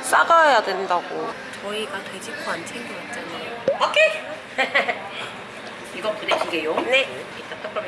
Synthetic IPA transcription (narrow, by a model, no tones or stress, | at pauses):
s͈aɡajadwendaɡo | t͡ɕʌiɡatwe̞d͡ʑikʰoant͡ɕʰeŋdet̚t͡ɕ͈anaookʰe | iɡʌkudet͡ɕʰiɡejomne | it͈at͈ak͈ʌ